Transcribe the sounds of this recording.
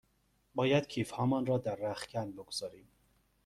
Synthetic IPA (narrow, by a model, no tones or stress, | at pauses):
bɒːjæd̪̥cʰiːfhɒːmɒːnɾɒːd̪æɾːæχcænboɡoz̥ɒːɾiːm